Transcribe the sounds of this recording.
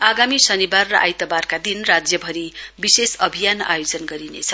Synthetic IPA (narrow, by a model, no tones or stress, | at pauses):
aɡamisʌnibarːʌʔa̰jt̪ʌbarkad̪inrad͡zjʌbʱʌɾibisesʌbʱijana̰jod͡zʌnɡʌɾinḛt͡sʰʌ